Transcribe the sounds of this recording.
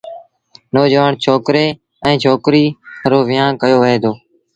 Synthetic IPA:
noːd͡ʒəʋaːɳt͡ʃʰoːkɾeː | ɛ̃ːt͡ʃʰoːkɾiːɾoːʋɪjãːnkəjoːʋəɦeːd̪oː

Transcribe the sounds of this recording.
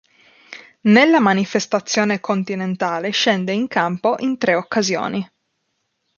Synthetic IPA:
nelːamanifest̪at̪sːjoːnekont̪inent̪aːleʃɛnd̪eiŋkampoʔint̪ɾeokːazjo̰ːni

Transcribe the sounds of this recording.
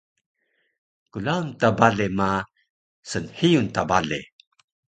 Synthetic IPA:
kulawntabalema | sənhijuntabaɮḛ

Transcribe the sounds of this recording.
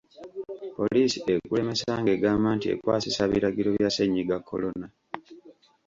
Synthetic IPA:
po̞liːsie̞kule̞me̞saːŋɡe̞ːɡaːmbaːntie̞̰kwaːsisaβiɾaɡiɾo̞βjaseɲːiɡakːo̞̰lo̞na

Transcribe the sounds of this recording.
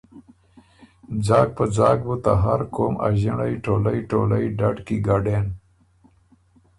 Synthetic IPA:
d͡zɑːɡ̚pəd͡zɑːɡ̚but̪a̰ɦaɾkoːmʔa̰ʑiɳajʈolajʈolajɖaɖkiɡaɖen

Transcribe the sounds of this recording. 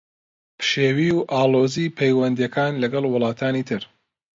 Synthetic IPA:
pʰɨ̥ʃeːwiːwʔaːloːzipʰejwɐnd̪jɐkʰaːnlɐɡɐlˠwʊlˠɑːt̪ʰaːniːt̪ʰɨɾ

